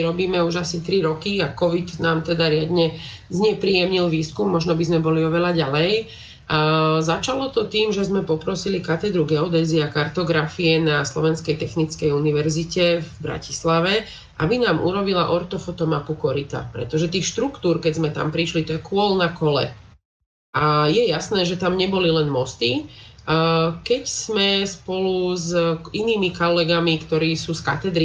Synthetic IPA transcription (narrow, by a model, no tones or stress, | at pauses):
ɾɔbiːmɛuʒasit̪ɾiɾɔkiakɔʋit̪naːmt̪ɛd̪aɾɪad̪ɲɛ | zɲɛpɾiːjɛmɲilʋiːskumːɔʒnɔbizmɛbɔliɔʋɛʎaɟalɛj | zat͡ʃalɔt̪ɔt̪iːmʒɛzmɛpɔpɾɔsilikat̪ɛd̪ɾuɡɛɔd̪ɛːziakaɾt̪ɔɡɾafiɛnaslɔʋɛnskɛjt̪ɛxnit͡skɛjuniʋɛɾzicɛvbɾa̰ci̥slaʋɛ | ʔabinaːmʔṵɾɔbila̰ʔɔɾt̪ɔfɔt̪ɔmapukɔɾit̪a̰pɾɛ̰t̪ɔʒɛt̪iːxʃt̪ɾukt̪uːɾkɛzmɛt̪a̰mpɾiʃlit̪ɔjɛkʊɔlnakɔlɛ̰ | ʔajɛjasnɛːʒɛt̪amɲɛbɔlilɛnmɔst̪i | kɛcz̥mɛspɔluziniːmikɔlɛɡamikt̪ɔɾiːsuːska̰t̪ɛd̪ɾi